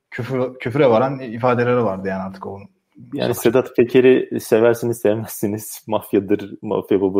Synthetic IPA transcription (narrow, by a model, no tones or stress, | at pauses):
cʰyfcʰyfɾɛvaɾanifaːd̪elʲeɾɛvaɾd̪ɯjaːnaɾt̪ʰɯ̥kon | ja̰ːnissed̪at̪pʰecʰeɾisevæɾsinizsɛvmɛsːiniz̥mafjad̪ɯɾma̰fjababɯ